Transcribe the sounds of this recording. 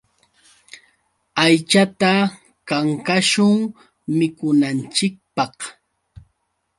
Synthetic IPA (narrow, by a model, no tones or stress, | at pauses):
ajt͡ʃat̪a | kaŋkaʃʊŋ | mɪkʊnant͡ʃɪk̚pɑh